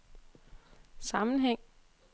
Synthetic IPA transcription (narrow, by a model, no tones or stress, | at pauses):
sɑ̈mn̩ɦeŋ̰